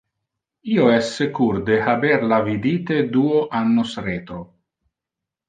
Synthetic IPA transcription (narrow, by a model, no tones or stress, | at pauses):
iːoɛsːekuɾd̪ehabeɾlavid̪iːt̪ed̪uːoʔanːosɾeːt̪ɾo